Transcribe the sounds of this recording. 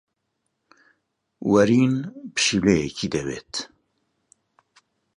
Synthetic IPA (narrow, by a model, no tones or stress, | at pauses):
wɐɾiːnpɨ̥ʃilɛjɛcʰid̪ɛwḛːt̪